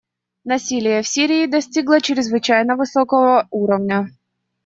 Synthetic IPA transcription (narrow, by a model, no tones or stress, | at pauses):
nɐsʲilʲɪjəfsʲiɾʲɪːd̪ɐsʲtʲiɡlˠət͡ɕɪɾʲɪzvɨt͡ɕæjnəvɨsokəvəuɾəvnʲə